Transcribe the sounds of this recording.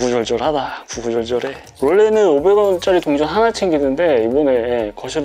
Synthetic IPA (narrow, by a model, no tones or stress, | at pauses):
ɡud͡ʑʌɭd͡ʑʌɭhadakuɡud͡ʑʌɭd͡ʑʌɾe | wʌɭːe̞nɯnobeɡʌnt͡ɕ͈aɾitoŋd͡ʑʌnɦanat͡ɕʰeŋɡinɯnde̞ibʌneekʌɕʰi